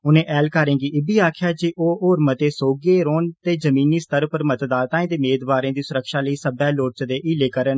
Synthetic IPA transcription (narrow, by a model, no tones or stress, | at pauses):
ʊnẽːʔɛːlkaːɾẽːkiɪbiːaːkʰjaːd͡ʒeːʔoːoːɾmət̪eːsoːɡeːɾoːnt̪eːd͡ʒəmiːniːst̪əɾpəɾmət̪d̪aːt̪ãːẽːt̪eːmeːd̪baːɾẽːd̪iːsʊɾəkʃaːləiːsəbɛːloːʈt͡ʃd̪eːʔiːleːkəɾən